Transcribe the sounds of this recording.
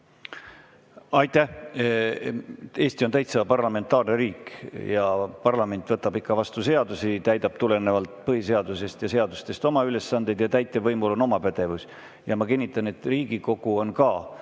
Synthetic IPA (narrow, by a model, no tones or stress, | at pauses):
ɑjt̪ːˑæh | e̞ːst̪io̞nt̪æjt̪sɑpɑrlɑme̞nt̪ːˑɑːrneɾiːkjɑpɑrlɑme̞nʲt̪ˑvɤt̪ːˑɑb̥ikːɑvɑst̪use̞ɑd̪usit̪æjd̪̥ɑb̥̚t̪ule̞ne̞vɑlt̪pɤhise̞ɑd̪̥use̞st̪jɑse̞ɑd̪ust̪e̞st̪o̞mɑyle̞sːɑnd̪ed̪̥jɑt̪æjt̪ːˑe̞vɤjmulo̞no̞mɑpæd̪̥e̞vus | jɑmɑkinʲːit̪ˑːɑne̞t̪ˑriːɡ̥iko̞ɡ̥uo̞nkɑ